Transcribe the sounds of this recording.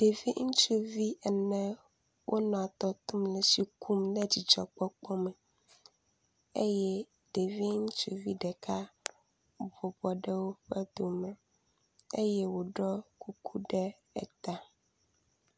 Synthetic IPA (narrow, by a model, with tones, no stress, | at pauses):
ɖ̥e˨vi˦ŋ̩˦t͡ʃu˦vi˦ɛ˨nɛ̃˦ | wʔo˦nɔ̃˨t̪ɔ˦t̪u˦mlɛ˨si˨kʰu˦mnɛ˦d͡ʑi˨d͡ʒɔ˨k͡pɔ˦k͡pɔ˦mɛ̃˨ | ḛ˦jɛ˦ | ɖe˨vi˦ŋ̩˦t͡ʃu˦vi˦ɖɛ˨kʰa˦ | bɔ˨bɔ˨ɖɛ˦wo˦ɸɛ˦d̪o˨mɛ˨ | e˦jɛ˦wo˨ɖɔ˦ku˦kʰu˦ɖɛ˦ | ɛ̰˨t̪a˦